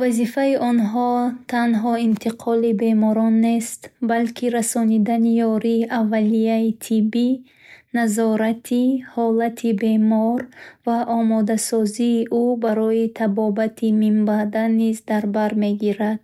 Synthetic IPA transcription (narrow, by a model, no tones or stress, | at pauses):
vazifaiʔɔnɦɔt̪ʰanɦɔint̪ʰiqʰɔlibe̞mɔɾɔnːe̞st̪balkʰiɾasɔnid̪anijɔɾiʔavːalijait̪ʰibi | nazɔɾat̪ʰihɔlat̪ʰibe̞mɔɾvaʔɔmɔd̪asɔziːʔubaɾɔit̪ʰabɔbat̪ʰimimbad̪anizd̪aɾbaɾme̞ɡiɾad̪̥̚